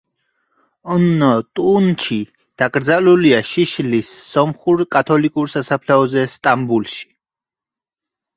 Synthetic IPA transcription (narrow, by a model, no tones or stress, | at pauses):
nɔt̪ʼunt͡ʃʰi | d̪̥akʼɾd̪zaluliaʃiʃlisːɔmχuɾkʼat̪ʰɔlikʼuɾsasapʰlɛɔzɛst̪ʼambulʃi̥